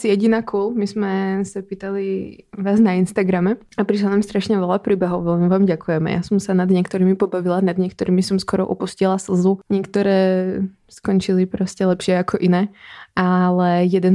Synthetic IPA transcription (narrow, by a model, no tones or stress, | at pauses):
sijɛɟinaːkʰuːlmizmɛsapiːt̪aliʋaːznainst̪aɡɾamɛ | apɾiʃlanamst̪ɾaʃɲɛʋɛlapɾiːbɛɦɔʊʋɛlmiʋaːmɟakujɛmɛ̰ja̰sɔmsanad̪ɲɛkt̪ɔɾiːmipɔbaʋilanad̪ɲɪɛkt̪ɔɾiːmisɔmskɔɾɔ̰ʔɔpuscilˠasl̩zuɲɪɛkt̪ɔɾɛː | skɔnt͡ʃilipɾɔscɛlɛpʃɪɛakʰɔʔinɛːalɛjɛd̪ɛn